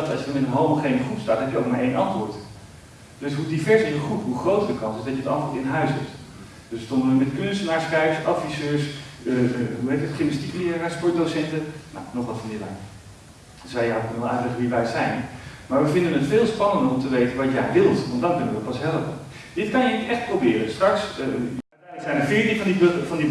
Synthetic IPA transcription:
dtɑlˠʃədnɪnənɦowməχejnəχupstaːtɦɛpjəoʊwkmaːɹʔejnɑntʋʊːɹt | d̥ɵsɦudivɛɹsɪsəχupɦuχrowtəɹdəkɑnsɪsdɑtjəətɑ̰ntʋʊːɹtɪnɦœɥsɦɛpt | d̥øsʋəstɔndəʋəmɛtkɵnstənaːɹsχrɛjfɑtfisøːɹs | ɦuɦejtətχɪmnəstikliənaːspɔɹt̚dosɛntəna̰wnɔχʋɑtfɔmɪda̰ | zɛjawkɵnəʋɛlˠʔœ̰tlɛχənʋiʋɛjəsɛjnmaːɹʋəvɪndənətfɪːlˠspɑnəndərɔmtəʋejtənʋɑtjɛjʋɪlˠtʋɑntdɑnkɵnəʋəpɑsɦɛləpə | d̥ɪtkɑnjəkɛχt̚prowbɪːrəstrɑks | ɛsɛjnəɹfɪːɹtinvɑndifɑndi

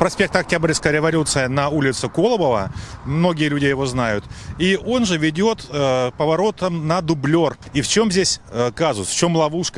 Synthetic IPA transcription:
pɾɐsʲpʲe̞k̚t̪ɐk̚tʲabɾʲɪskəjɾʲɪvɐlʲut̪sɨjənɐulʲɪt̪sʊko̞lˠəbəvəmno̞ɡʲɪjəlʲʉdʲɪjɪvo̞znajʊt̪io̞nʐɨvʲɪdʲo̞t̪pəvɐɾo̞t̪əmnɐd̪ʊblʲo̞rift͡ɕo̞mzʲesʲəkazʊsft͡ɕo̞mlˠɐvuʂkə

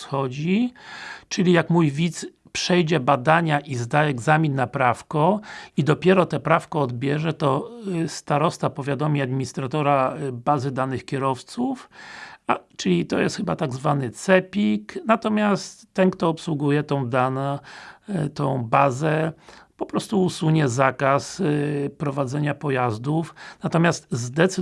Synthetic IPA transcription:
xɔd͡ʑi | t͡ʂɘlʲijakmujvʲit̪s | pʂɛjd͡ʑɛbad̪aɲaʔizd̪aɛɡzamʲinːapɾafkɔid̪ɔpʲjɛɾɔt̪ɛpɾafkɔːd̪bʲjɛʐɛt̪ɔst̪aɾɔst̪apɔvʲjad̪ɔmʲiad̪mʲiɲist̪ɾat̪ɔɾabazɘd̪anɘxkʲɛɾɔft̪sufat͡ʂɘlʲit̪ɔjɛ̰st̪xɘba̰t̪aɡzvanɘt̪sɛpʲiknat̪ɔmʲjast̪ːɛnkt̪ɔːpswuɡujɛt̪ɔ̃w̃d̪ana | t̪ɔ̃w̃bazɛpɔpɾɔst̪uːsuɲɛzakaspɾɔvad̪zɛɲapɔjazd̪ufnat̪ɔmʲast̪zd̪ɛt̪s

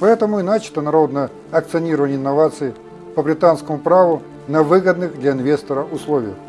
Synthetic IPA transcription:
pɐɛt̪əmʊɪnat͡ɕɪ̥t̪ənɐɾo̞d̪nəjə | ɐkt̪sɨɐnʲiɾəvənʲɪnːɐvat̪sɨɪ | pəbɾʲɪt̪anskəmʊpɾavʊ | nɐvɨɡəd̪nɨxd̪lʲɐɪnvʲe̞st̪əɾəʔʊslˠovʲɪjəx

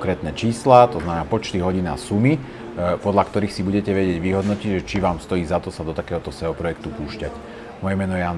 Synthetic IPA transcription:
kɾɛːt̪nɛt͡ʃiːslat̪ɔznamɛnaːpɔt͡ʃt̪iɦɔɟina̰sumi | pɔd̪ʎakt̪ɔɾiːxsibuɟɛcɛʋɛɟɪɛɟʋiɦɔd̪nɔciɟʒɛt͡ʃiʋaːmst̪ɔjiːzat̪ɔsad̪ɔt̪akɛːɦɔt̪ɔsɛɔpɾɔjɛk̚t̪upuːʃcac | mɔjɛmɛnɔjɛjaːn

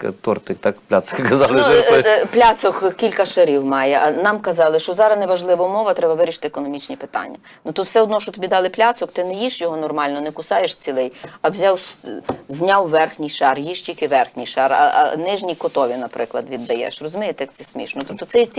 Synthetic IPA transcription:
t̪ɔrt̪ɪkt̪ɑkplʲasɔ̥kkɐzɑlˠɪplʲasɔkkʲilʲkɐʃɐɾʲiwmɑjɛʔɐnɑmkɐzɑlˠɪʃt͡ʃɔzɑɾɐznɛʋɐʒlˠɪʋɐmɔʋɐt̪ɾɛbɐʋɪɾʲiʃɪ̥t̪ɪekɔnɔmʲit͡ʃnʲipɪ̥t̪ɑ̰nʲːɐ | nut̪ut̪wsɛɔd̪nɔʃt͡ʃɔt̪ɔbʲid̪ɑlˠɪplʲɑsɔkt̪ɪnɛjiʃjɔɦɔnɔrmɑlʲnɔnɛkʊsɑjeʃt͡sʲilˠɪjɐwzʲɑwszʲnʲɑwʋɛrxnʲijʃɑrjiʃtʲikɪʋɛrxnʲijʃɑrɐ̰ʔɐ̰nɪʒnʲijkɔt̪ɔʋʲinɐpɾɪklˠɐd̪ʋʲid̪ːɐjɛ̰ʃrɔzʊmʲɛjet̪jɐk̚t̪sɛsʲmʲḭʃnɔt̪up̚t̪ɔsɛjt͡sʲ

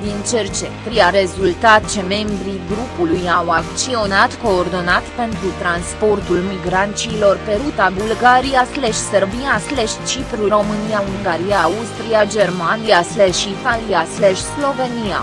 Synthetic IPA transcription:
d̪int͡ʃert͡ʃet̪ɾijaɾe̞zult̪at̪t͡ʃe̞me̞mbɾiɡɾupulujawakt͡ʃio̞nat̪ko̞ːrd̪o̞nat̪pe̞nt̪ɾut̪ɾanspo̞rt̪ulmiɡɾant͡ʃilo̞rpe̞ɾut̪abulɡaɾijasleʃserviasleʃt͡ʃipɾuro̞mɨnijauŋɡaɾiaust̪ɾiad͡ʒe̞rmanijasleʃit̪aliasleʃslo̞ve̞nija̰

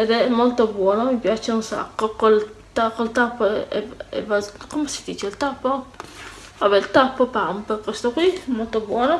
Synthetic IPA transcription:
ed̪ɛɛmːolt̪obwɔːnomipjat͡ʃeunsa̰kːokolt̪akolt̪apːoɛɛ̰vakomesi̥d̪iːt͡ʃeilt̪apːo | abɛlt̪apːopampekwest̪okʷwiɛmolt̪obwɔːno

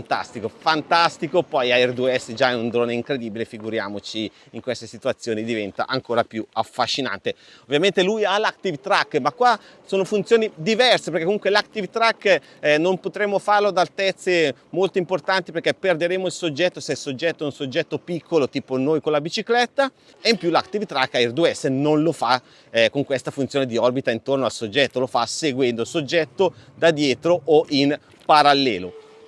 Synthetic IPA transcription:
nt̪a̰st̪ikofant̪ast̪ikopɔjaɛrd̪ueɛsed͡ʒaɛund̪ɾoːneiŋkɾed̪iːbilefiɡuɾja̰ːmot͡ʃi | iŋkwest̪esit̪uat̪sːjoːnid̪ivɛnt̪a̰ʔaŋkoːɾapjuafːaʃːina̰nt̪e | ovːjament̪elujalak̚t̪ivt̪ɾakːmakːwa | soːnofunt̪joːnid̪ivɛrsepeɾrkɛkːomuŋkwelak̚t̪ivt̪ɾakː | nompot̪ɾemːofarload̪alt̪ɛt̪sːemolt̪oimport̪ant̪iperkɛperd̪eɾeːmoilsod͡ʒːɛt̪ːosɛsod͡ʒːɛt̪ːoɛunsod͡ʒːɛt̪ːopikʰːolot̪iːponoːjkonlabit͡ʃiklɛt̪ːa | eimpjulakt̪ivt̪ɾakːaird̪uɛsenonlofa | koŋkwest̪afunt̪joːned̪iɔrbit̪aint̪ornoalsod͡ʒɛt̪ːolofaseɡwɛnd̪osod͡ʒːɛt̪ːod̪ad̪jɛːt̪ɾoʔoʔin | paɾalːɛ̰ːlo̰

